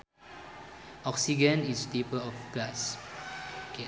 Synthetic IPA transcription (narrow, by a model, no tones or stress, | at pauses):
ʔɔksid͡ʒə̃nistepəɔfɡlas | ke